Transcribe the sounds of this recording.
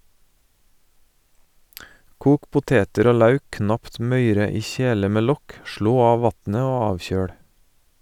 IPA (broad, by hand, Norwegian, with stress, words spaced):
ˈkuːk pʊˈteːtəɾ ˈoː ˈlɑʉk ˈknɑpt ˈmœʏɾə ˈiː ˈçeːlə ˈmeː ˈlɔk ˈʃɭoː ˈɑː ˈʋɑtnə ˈoː ˈɑːʋˌçøːɽ